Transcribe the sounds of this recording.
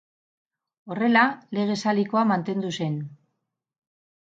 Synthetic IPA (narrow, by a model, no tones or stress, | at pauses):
o̞re̞lale̞ɣ̞e̞saliko̞amant̪e̞nd̪use̞n